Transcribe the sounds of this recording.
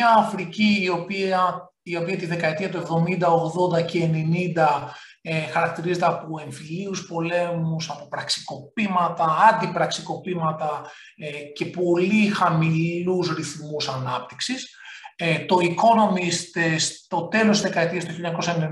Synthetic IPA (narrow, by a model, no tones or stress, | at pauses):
ɐːfɾiciːopiɐ | io̞piɐt̪iðe̞kɐet̪iɐt̪ue̞vðo̞mind̪ɐoɣðo̞nd̪ɐceːne̞nind̪ɐ | exɐɾɐk̚t̪iɾize̞t̪eɐpoe̞ɱfiliuspo̞le̞musɐpopɾɐksi̥ko̞pimɐt̪ɐɐnd̪ipɾɐksiko̞pimɐt̪ɐ | ce̞po̞lixɐmilusɾiθmusɐnɐp̚t̪i̥ksis | t̪o̞iko̞no̞mist̪est̪o̞t̪e̞lost̪izðe̞kɐet̪iɐst̪uçijoɲɐko̞sɐen